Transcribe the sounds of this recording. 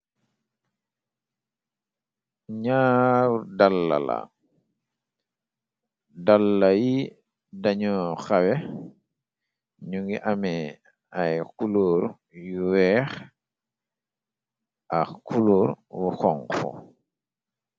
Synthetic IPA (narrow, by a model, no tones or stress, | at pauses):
ɲaːwdalːa̰la̰ | dalːaji | daɲɔxawɛ | ɲuŋɡiʔamɛ | ajkuluɾ | juwɛːx | ʔakuluɾwuxɔŋfɔ̰